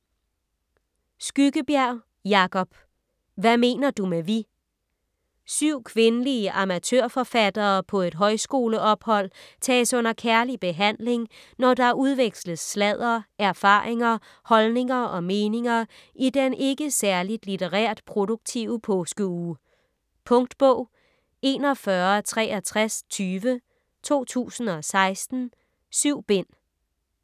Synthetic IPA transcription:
sɡ̥yɡ̥əb̥jæɐ | jɑ̈kʰɒ̽b̥ | ʋæme̝̰ːnɐd̥umeʋi | syʊ̰kʰʋe̝nəliəʔɑ̈mæt͡sʰøɐ̰fɒ̽fæd̥ɐːpʰɒ̽e̝d̥ɦɒ̽ɪsɡ̥o̝ːləʔɒ̽b̥hɒ̽l̰t͡sʰɛ̰ːsɔ̽n̰ɐkʰæɐlib̥e̝ɦæn̰le̝ŋ | nɒd̥ɑ̈æɐuðˠʋeɡ̥slð̩ˠslɛð̰ˠɐæɐfɑ̰̈ːʁeŋɐ | hɒ̽lne̝ŋɐɒ̽me̝ːne̝ŋɐ | ʔid̥enʔe̝ɡ̥əsæɐlid̥lit͡sʰeʁɛ̰ɐ̰d̥pʰʁo̝do̝ɡ̥̚t͡sʰiʊəpʰɔːsɡ̥əuː | pʰɔ̽ŋd̥b̥ɔʊ̰ | e̝nɒ̽fɶɐt͡sʰʁɛ̰ːæt͡sʰʁast͡sʰyːʋə | t͡sʰo̝̰ːt͡sʰṵːsn̩ɒ̽sɑ̈ɪsd̥n̩ | syʊ̰b̥e̝n̰

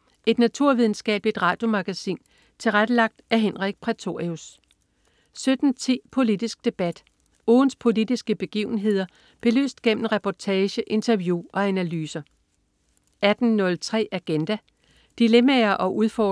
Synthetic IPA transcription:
e̝d̥næt͡sʰuɐ̰ʋiðˠn̩sɡ̥ɛ̰ːb̥ed̥ʁɑ̰̈ːd̥jo̝mɑ̈ɡ̥æsḭːn | t͡sʰe̝lʁad̥əlɑ̈ɡ̥̚d̥æɐɦenʁiɡ̥̚pʰʁit͡sʰo̝ʁius | sød̥n̩t͡sʰḭːpʰo̝lid̥isɡ̥̚d̥e̝b̥æd̥ | ɔːn̩spʰo̝lid̥isɡ̥əb̥e̝ɡ̥ḭːʊn̩ɦe̝ð̞̰ˠɐ | b̥e̝ly̰ːsd̥ɡ̥em̰n̩ʁɛpʰɒt͡sʰɛːɕəʔe̝nt͡sʰɐʋjuʔɒ̽ænælyːsɐ | æd̥n̩ːɔ̽lt͡sʰʁɛ̰ːʔæɡ̥end̥æ | d̥ilemæɐʔɒ̽ʔuðˠfɒ

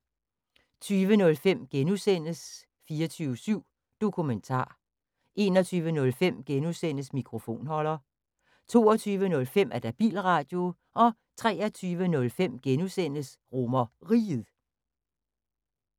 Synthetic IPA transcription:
t͡sʰyːʋənɔ̽lfem̰ɡ̥enusen̰əs | fiːɐt͡sʰyːʊəsyʊ̰ | d̥o̝kʰument͡sʰɑ̰̈ː | ʔe̝ːnɒt͡sʰyːʋənɔ̽lfem̰ɡ̥enusen̰əsmikʰʁo̝fo̝̰ːnɦɒ̽lɐ | t͡sʰo̝̰ːɒt͡sʰyːʋənɔ̽lfem̰ʔæɐd̥æb̥ḭːlʁɑ̈d̥jo̝ | ʔɒ̽ | t͡sʰʁɛ̰ːɐt͡sʰyːʋənɔ̽lfem̰ɡ̥enusen̰əs | ʁomɐʁḭːð̩ˠ

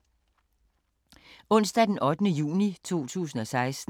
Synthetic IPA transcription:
ɔ̽n̰sd̥æd̥enʔɒ̽d̥ənəjṵːnit͡sʰo̝̰ːt͡sʰṵːsn̩ɒ̽sɑ̈ɪsd̥

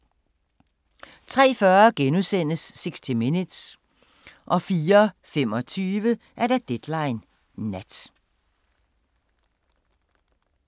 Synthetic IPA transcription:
t͡sʰʁɛ̰ːfɶɐɡ̥enuðˠsen̰əsːeɡ̥sd̥ʰiminid̥s | ʔɒ̽fiːɐfem̰ɒ̽t͡sʰyːʋə | ʔæɐɾæd̥ed̥lɑ̈ɪnː | æd̥

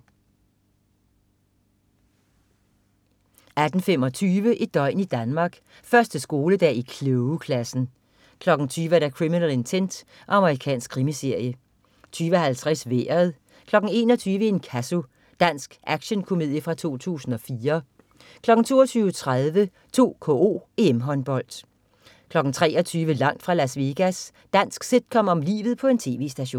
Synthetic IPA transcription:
æd̥n̩femɒ̽t͡sʰyːʋəʔid̥ɒ̽ɪ̰nid̥ænmɑ̈ːɡ̥ | fɶɐsd̥əsɡ̥o̝ːləd̥ɛ̰ikʰløʊkʰlæsn̩ | kʰlɒ̽ɡ̥n̩t͡sʰyːʋæɾækʰʁiminæle̝nt͡sʰend̥ | ʔɒ̽ɑ̈məʁikʰɛ̰ːnsɡ̥̚kʰʁimise̝ɐ̰jə | t͡sʰyːʋəhælt͡sʰʁasʋeːɐð̩ˠ | kʰlɒ̽ɡ̥n̩e̝ːnɒ̽t͡sʰyːʋəe̝nkʰæso̝ | d̥æn̰sɡ̥ʔæɡ̥ɕənkʰo̝með̰ˠjəfʁɑ̈t͡sʰo̝̰ːt͡sʰṵːsn̩ɒ̽fiːɐ | kʰlɒ̽ɡ̥ŋ̩t͡sʰo̝̰ːɐt͡sʰyːʊət͡sʰʁaðˠʋə | t͡sʰo̝̰ːkʰo̰o̝̰ːe̝emɦɒ̽nb̥ɒ̽l̰d̥ | kʰlɒ̽ɡ̥n̩t͡sʰʁɛ̰ːʔɒt͡sʰyːʋəlɑ̈ŋ̰d̥fʁɑ̈læsʋe̝ɡ̥æs | d̥æn̰sɡ̥se̝d̥̚kʰɒ̽m̰ɒ̽mlḭːʋð̞̩ˠpʰɒ̽e̝nt͡sʰe̝̰ːʋe̝̰ːsd̥æɕo̝̰ːn

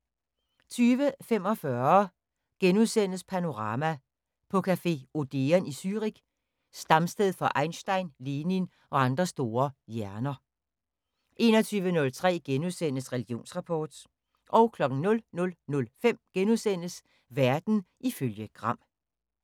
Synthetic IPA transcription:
t͡sʰyːʋəfem̰ɒ̽fɶɐ | ɡ̥enuðˠsen̰əspʰæno̝ʁɑ̈ːmæ | pʰɒ̽kʰæfe̝̰o̝d̥eɐnisyʁiɡ̥ | sd̥ɑ̈msd̥eð̞ˠfɒ̽ʔɑ̈ɪnsd̥ɑ̈ɪnliːnin | ɒ̽ɑ̈nd̥ʁɐsd̥o̝ːɐjæɐnɐ | ʔe̝ːnɒt͡sʰyːʋənɔ̽lt͡sʰʁɛ̰ːɡ̥enuðˠsen̰əsʁɛliɡ̥io̝̰ːnsʁɑ̈pʰɒ̰ːd̥ | ʔɒ̽ʊkʰlɒ̽ɡ̥ŋ̩nɔ̽lnɔ̽lnɔ̽lfem̰ɡ̥enuðˠsen̰əs | ʋæɐd̥n̩ʔiføljəɡ̥ʁɑ̈m̰

